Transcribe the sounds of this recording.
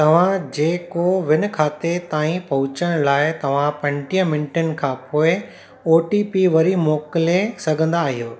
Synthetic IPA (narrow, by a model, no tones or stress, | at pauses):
t̪ɐʋ̤ãd͡ʑeːkoʋɪnɪ̆kʰaːt̪et̪aːĩpɐɦʊt͡ɕəɽ̃laːɪt̪ɐʋ̤ãpɐ̃ɳʈijə̃mɪ̃ɳʈənɪ̆kʰãːpoːɪ | oːʈipiʋɐɾimoːkɪlesɐɡʱə̃nd̪aːɦijoː